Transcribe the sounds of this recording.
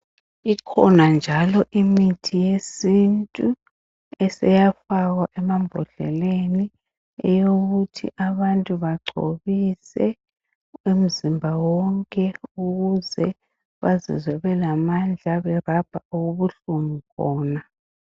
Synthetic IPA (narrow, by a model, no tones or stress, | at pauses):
ikʰɔ̰nand͡ʒʱalɔʔimitʰijesintʼu | ɛsɛjafaɣwaʔɛmambʱɔɮɛ̰leni | ɛjoɣutʰḭʔaβantʼuβaɡ͡ǀʱo̰βisɛ | em̩zimbʱawɔŋkʼɛuɣuzɛ | βazḭzwɛβɛlamand͡ɮʱaβɛrab̥ʱaʔuɣuβuɬumikʰɔːna